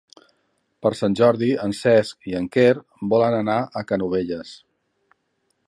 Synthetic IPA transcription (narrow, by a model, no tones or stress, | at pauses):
pəɾsanʲʒɔɾðiənsɛskiəŋkeɾ | bɔlənənaʔəkənuβ̞eʎəs